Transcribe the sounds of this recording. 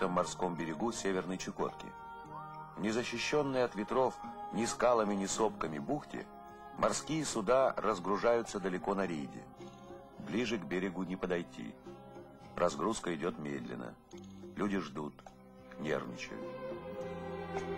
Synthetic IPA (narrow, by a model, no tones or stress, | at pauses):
t̪əmːɐrsko̞mbʲɪɾʲɪɡusʲevʲɪrnəjt͡ɕɪko̞̰t̪kʲɪ̰ | vnʲɪzəɕːɪɕːo̞nːɨjəɐt̪vʲɪt̪ɾo̞fnʲɪskalˠəmʲɪnʲɪso̞pkəmʲɪbuxtʲɪ̰ | mʔɐrskʲijəsʊd̪aɾəzɡɾʊʐajʊt̪səd̪əlʲɪko̞nɐɾʲḭjdʲɪ̰ | blʲiʐɨɡbʲɪɾʲɪɡʊnʲɪpəd̪ɐjtʲḭ | rɐzɡɾuskəɪdʲo̞t̪mʲḛd̪lʲɪ̰nːə̰ | lʲudʲɪʐd̪ut̪ | knʲḛrvnʲɪ̰t͡ɕɪ̰jʊ̰